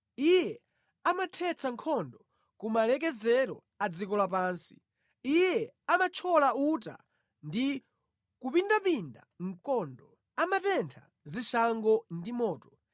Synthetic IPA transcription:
ijɛ | amatʰɛt͡sʰaŋkʰɔndɔ | kumalɛk̬ɛzɛɾɔ̰ | ad͡zikɔlwap̬aːnsi̥ | ijɛamat͡ʃʰɔlauta̰ | ndi | kupindapinda̰ŋ̩kɔndɔ | amatɛntʰa̰ | ziʃaŋɡɔndimɔːtɔ̥

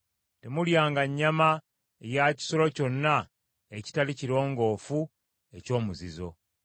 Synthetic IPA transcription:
te̞muljaːŋɡaɲːama | ejaci̥solo̞co̞nːa | eci̥taliciɾo̞ːŋɡo̞ːfu | e̞co̞ːmuzizo̞̰

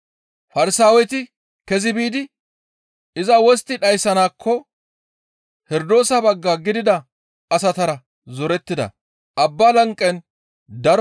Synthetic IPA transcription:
fɐɾɪsaːwɛt̪ɪ | kɛzɪbiːd̪ɪ | ɪzɐwɔst̪ːɪᶑɐjsɐnaːkʰːɔ | hɛɾd̪o̞ːsɐbɐɡːaːɡɪd̪ɪd̪ɐ | ɐsɐt̪ɐɾɐ | zɔɾɛt̪ːɪd̪ɐ̰ | ʔɐbːaːlɐŋkʼːɛn | d̪ɐɾ

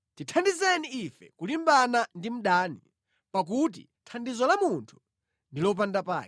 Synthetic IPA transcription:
titʰandizɛniːfɛ̰kulimbanandim̩ɗaːni | pak̬ut̬ḭ | tʰandizɔlamuntʰu̥ | ndilɔp̬andapa̰ːi

